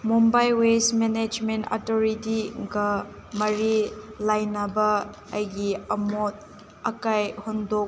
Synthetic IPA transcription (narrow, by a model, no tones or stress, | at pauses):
mumbajwesmened͡ʒmenta̰toɾitiɡɐ | mɐɾilajnɐbɐː | jɡiɐmot̚ | ɐkajhondok̚